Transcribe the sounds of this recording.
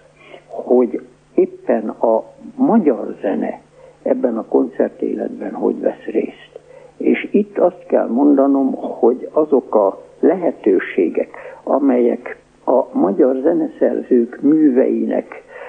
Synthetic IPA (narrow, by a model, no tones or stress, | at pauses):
ho̞ɟ | eːpːɛnɒmɒɟɒrzɛnɛ̰ | ɛbːɛnɒko̞nt̪sɛrt̪ḛːlɛd̪bɛnho̞̰ɟʋɛsreːst̪eːʃit̪ːɒst̪kɛ̰lmo̞nd̪ɒno̞mho̞ɟɒzo̞kɒlɛɦɛt̪øːʃeːɡɛkɒmɛjɛk | ɒmɒɟɒrzɛnɛsɛrzøːkmyːvɛ̰jinɛ̰k